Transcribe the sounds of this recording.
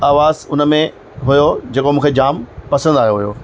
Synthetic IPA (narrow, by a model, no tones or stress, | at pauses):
aːʋaːzʊnə̆mẽ | ɦʊjod͡ʑeːkomũːkʰed͡ʑaːmpɐsə̃nd̪aːɦijoɦujo̰ː